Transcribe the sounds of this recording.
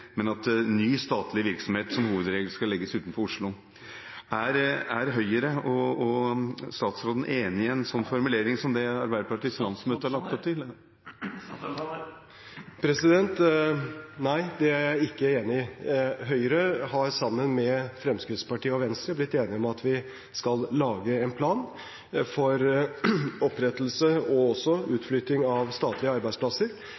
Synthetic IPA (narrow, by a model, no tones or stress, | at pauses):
mɛnɑt̪nyːst̪ɑːt̪ʰlɪəʋɪɾksɔmheːt̪sɔmhuːʋəd̪ɾeːɡləskɑlːɛɡːəsʉːt̪nfɔɾʊʂlʊ | æɾæɾɦœʏəɾəɔɔst̪ɑːt̪sɾoːd̪n̩ʔeːnɪɛnsɔnːfɔɾmʉleːɾɪŋsɔmd̪ɛɑɾbæɪd̪əpʰɑʈɪslɑnsmøːt̪əhɑɭɑk̚t̪ɔp̚t̪ʰɪl | pʰɾɛsɪd̪ɛnt̪ | næɪd̪ɛæɾæɪkːəeːnɪɦœʏəɾəhɑɾsɑmːənmɛfɾɛmskɾɪt̪spɑʈiːəɔʋɛnst̪ɾəblɪt̪ːeːnɪɔmɑt̪ʋɪ | skɑlːɑːɡəɛnpʰlɑːn | fɔɾ | ɔpːɾɛt̪l̩səɔɔsɔʉːt̪flʏt̪ːɪŋɑʋst̪ɑːt̪lɪəɑɾbæɪsplɑsəɾ